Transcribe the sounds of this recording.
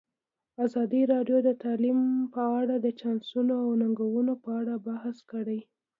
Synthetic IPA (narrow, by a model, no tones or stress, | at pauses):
azɑd̪iɾɑɖjod̪ət̪ɑlimpəaɽad̪ət͡ʃɑnsunoawnaŋɡawunopəaɽabahskəɽaj